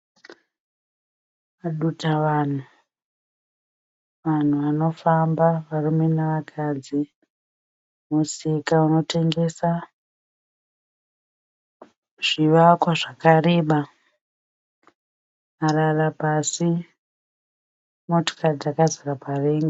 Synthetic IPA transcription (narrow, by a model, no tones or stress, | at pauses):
aɗutaʋan̤u | ʋan̤uʋano̞fambaʋarumenaʋakʰad͡zi | musikauno̞te̞ŋɡe̞sa | ʐ̥iʋakwaʐakare̞ːɓa | ararapasi | moto̥kad͡zakazarapareːŋɡa